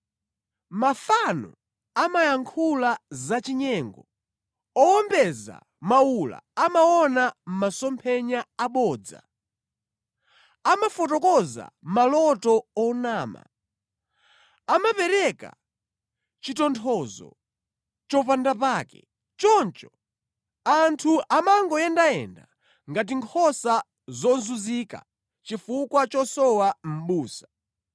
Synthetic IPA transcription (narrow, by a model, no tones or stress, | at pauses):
mafanɔ̰ | amajaŋkʰulazat͡ʃiɲɛŋɡɔ | ɔɔmbɛza̰ | maula̰amaɔnam̩masɔmpʰɛɲaaɓɔːd͡za̰ | amafɔtɔkɔza̰malɔtɔɔnaːma̰ | amapɛɾɛka̰ | t͡ʃitɔntʰɔzɔ̰ | t͡ʃɔpandapaːkɛ̰ | t͡ʃɔnt͡ʃɔ | antʰuʔamaŋɡɔjɛndaɛ̰nda̰ | ŋɡat̬iŋkʰɔsa | zɔnzuzika̰ | t͡ʃifukwat͡ʃɔsɔwam̩ɓuːsḁ